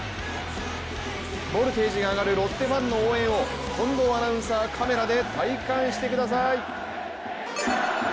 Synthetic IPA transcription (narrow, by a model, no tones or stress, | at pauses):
bo̞ɾɯ̟t̪e̞ːʑiɡaːɡaɾɯ̟ɾo̞t̪ːe̞bãnːo̞oːẽ̞ɰ̃o̞ | kʰõ̞nd̪o̞anãɯ̃saːkʰame̞ɾad̪e̞t̪aikãɰ̃ɕi̥t̪e̞kɯ̟d̪as̬ai